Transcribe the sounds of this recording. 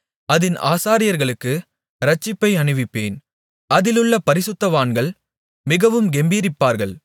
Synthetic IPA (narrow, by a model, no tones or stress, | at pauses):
ɐðɪnʔa̰ːsaːɾɪjɐɾɣɐɭɯkːɯ | ɾɐt͡ʃːɪpːɐɪɐɳɯʋɪpːeːn | ɐðɪlɯɭːɐpɐɾɪsɯt̪ːɐʋaːnɡɐɭ | mɪɣɐʋɯmɡɛmbiːɾɪpːaːɾɣɐɭ